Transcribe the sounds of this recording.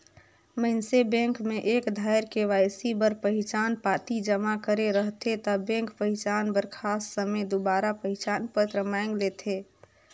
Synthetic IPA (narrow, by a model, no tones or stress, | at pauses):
məɪnsebẽŋkmeʔekd̪ʱajɾkeʋajsibəɾpəɦit͡ʃanpat̪id͡ʒəmakəɾeɾəɦt̪ʰet̪ɔbẽŋkpəɦit͡ʃanbəɾkʰasːəmed̪ubaɾapəɦit͡ʃanpət̪ɾəmaŋɡlet̪ʰe